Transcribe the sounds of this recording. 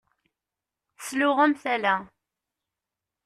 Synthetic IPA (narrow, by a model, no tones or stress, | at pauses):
slʊʁæmθælæ